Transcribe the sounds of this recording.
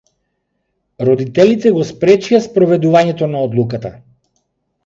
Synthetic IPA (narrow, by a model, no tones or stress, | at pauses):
ɾɔd̪it̪ɛlit̪ɛɡɔspɾɛt͡ʃijaspɾɔvɛd̪uvaɲɛt̪ɔnaɔd̪lˠukat̪a